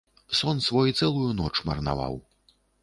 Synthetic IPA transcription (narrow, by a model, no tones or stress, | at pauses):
sɔnsvɔjut̪sɛlˠujunɔt͡ʂmɐ̰rna̰va̰w